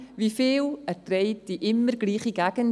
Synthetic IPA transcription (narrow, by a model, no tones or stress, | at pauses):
viːfɪːləɾd̥ɾejt̚d̥iʔɪməɾɡliːχiɡaɡən